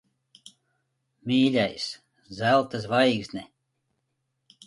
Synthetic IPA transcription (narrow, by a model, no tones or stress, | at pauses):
mʲiːlʲajs | zælˠt̪as̬vajɡznʲɛ